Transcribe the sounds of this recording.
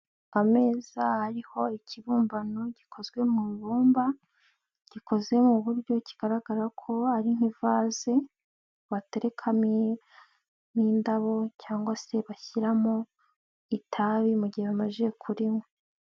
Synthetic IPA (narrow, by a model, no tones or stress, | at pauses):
ame̞ːzahaɾiho̞icʰiβuːmbanoɟ̥ikʰo̞zɡwe̞muːβuːmba | ɟ̥iko̞zɡe̞muβuɾɟo̞ciɡ̥aɾaɡaɾakʰo̞haɾin̥ivaːze | βate̞ɾe̞kʰami | miːndaβo̞caːŋɡwase̞βaçiɾamo̞ | itʰaβimuɟiheβamaʒeekʰuɾimwe